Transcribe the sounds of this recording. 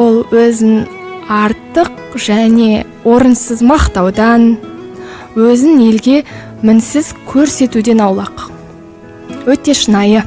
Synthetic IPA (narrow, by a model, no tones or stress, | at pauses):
wolˠwɵzɪnɑɾt̪ːəq | ʒ̥æne̞ | wo̞ɾənsəzmɑqt̪ɑwd̪ɑn | wɵzɪne̞lɡʲe̞ | mɪnsɪz̥kʲʰɵɾse̞t̪ud̪e̞nɑwlˠɑq | wɵt̪e̞ʃənɑjə